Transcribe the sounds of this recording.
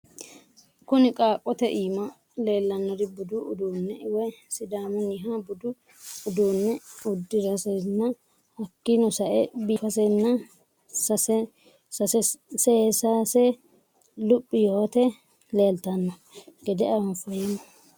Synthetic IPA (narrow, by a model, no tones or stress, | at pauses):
kʊnɪkʼaːkʼːɔt̪ɛʔiːmɐ | le̞ːlːɐnːɔd̪ɪbʊd̪ʊʔʊd̪uːnːɛɪwɛsɪd̪aːmʊnɪɦabʊd̪ʊ | ʊd̪uːnːɛʊd̪ːɪɾɐsɛjnːɐ | ɐkːɪnɔsɐʔɛbiːfɐsɛnːɐ | sɐs | sɐsɛseːsaːsɛ | lʊpʼːɪjoːt̪ɛ | le̞ːlt̪ɐnːɔ | ɡ̥ɛd̪ɛʔɐʊmfɐjɛnɔ